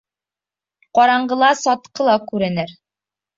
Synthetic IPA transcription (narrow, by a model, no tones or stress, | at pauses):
qɒɾɑɴɢɤ̆lˠɑsɒt̪qɤlˠɑkʉɾɘ̆nɘɾ